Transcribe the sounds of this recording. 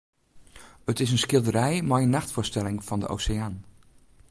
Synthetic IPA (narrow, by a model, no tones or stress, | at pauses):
ətɪs̬ənskɪlˠdəɾɛjmajənːaxtfʊːstɛlɪŋv̥ɑndə̰ʔo̰wsɪaːn